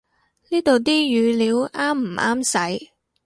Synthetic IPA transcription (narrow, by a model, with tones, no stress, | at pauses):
niː˥t̪o˨wt̪iː˥jyː˨˧liː˨˧˥wʔaː˥m̩ː˨˩ʔaː˥msɐ˨˥j